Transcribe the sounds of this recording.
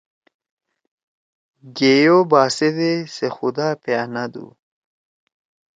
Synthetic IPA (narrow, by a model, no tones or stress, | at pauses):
ɡejobaːsed̪esexud̪aːpjaːnad̪ṵ